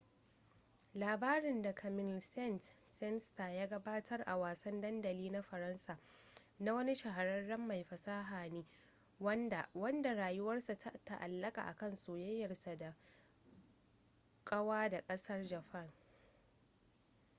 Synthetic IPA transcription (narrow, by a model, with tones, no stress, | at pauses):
laː˨baː˦ɾɪ˨nda˨kʰɐ˨mɪ˨nsɛ˦˨ntsɛ˦nsta˨jaː˦ɡɐ˦baː˦tʰɐ˦rʔa˨waː˨sɐ˦ndɐ˦ndɐ˨liː˦na˦ɸɐ˨ɾɐ˦nsaː˨ | na˦wɐ˦ni˦ʃɐ˨ɦa˨ɾɐ˦nːɐ˦mːa˨jɸɐ˨saː˦ɦaː˨neː˦ | wɐ˦nda̰˨wɐ˦nda˨ɾaː˨jʊ˦wɐ˦rsa˨tʰa˦ta̰˨ʔa̰˨lːɐ˦kʼa̰˨ʔa̰˨kɐ˦nso˨jɐ˦jːɐ˨rsa˨da˨ | kʼɐ˦waː˦da˨kʼɐ˦sɐ˦rd͡ʒɐ˨ɸɐ˦˨ŋ